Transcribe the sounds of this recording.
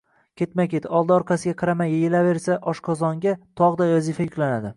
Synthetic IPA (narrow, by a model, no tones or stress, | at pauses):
kʲʰe̞t̪makʲet̪ɒlˠd̪aɒɾqʰɑsɪɡʲaqʰɑɾamajejelave̞ɾsaʔɒʃqʰɒzɒŋɡʲat̪ʰɒʁd̪ajɒzifajʊkʲlanad̪ɪ